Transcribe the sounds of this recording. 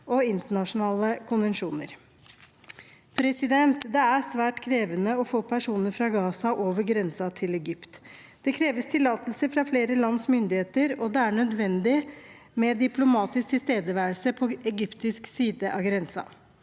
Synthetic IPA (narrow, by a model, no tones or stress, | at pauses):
ʔɔɪnt̪əɳɑʂʊnɑːləkʰʊnʋənʂuːnə̰ɾ | pʰɾɛsɪd̪ɛnt̪d̪ɛæsʋæːʈkʰɾeːʋənəɔfoːpʰæʂuːnəɾfɾɑɡɑːsɑʔoːʋəɾɡɾɛnsɑt̪ʰɪlɛɡʏpt̪ | d̪̥ɛkʰɾeːʋəst̪ʰɪlːɑːt̪əlsəfɾɑfleːɾəlɑnsmʏnd̪ɪheːt̪əɾɔd̪ɛæɳœd̪ʋɛnd̪ɪ | mɛd̪ɪpʰlʊmɑːt̪ɪsk̚t̪ʰɪlst̪eːd̪əʋæːəlsəpʰɔɛɡʏpt̪ɪsksiːd̪əʔɑɡɾɛnsɑ̰